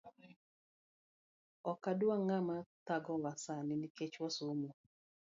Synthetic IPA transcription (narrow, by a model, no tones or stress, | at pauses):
ɔkadwaŋamat̪aɡɔwasanɪniket͡ʃwasomu